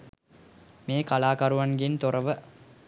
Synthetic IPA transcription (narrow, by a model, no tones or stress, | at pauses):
meːkalaːkaɾuʋanɡint̪oɾɐʋə